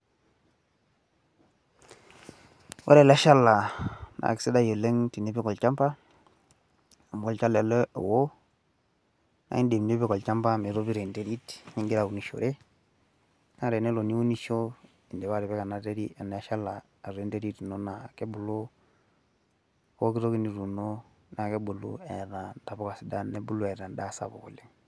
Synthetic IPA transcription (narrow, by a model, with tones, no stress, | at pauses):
wa̰˦ɾe˨la˦ʃa˦la˨na̰˨kɪ̥˨se˦da˦jo˨le˦ŋti˨ne˦pi˦kɔ˨lt͡ʃa˦mpa˦ | a˨m˨ɡɔ˦lt͡ʃa˦le˨le˦o̰˨wo˦ | na̰˦i˦nde˨mne˦pi˦kɔ˨lt͡ʃa˦mpa˦me˨ɾo˦pi˦ɾe˨nte˦ɾi˦tɲi˦ŋɡi˦ɾa˨u˨ni˨ʃo̰˨ɾe˦ | na˦ɾe˨ne˦lo˨ni˦wu˦ni˦ʃo˦ | i˨ndɛ˨βa˦ɾe˨βe˦ka˨na˦te˦ɾi˦a˨ne˨˦ʃa˦la˨ | a˨ɾe˨˦nte˦ɾi˦tno˦na˨ke˦bu˨lu˦ | wo˦ki˦ɾo˦ki˦ni˨ɾu˨no˦ | na˨ke˦bu˨lṵ˦e˨ɾa˨nta˨bo˦ka˨si˨da˦ne˦bu˦lu˦ɛ˨ɾa˨nda˦sa̰˨bo̰˨kṵ˨li˦ŋ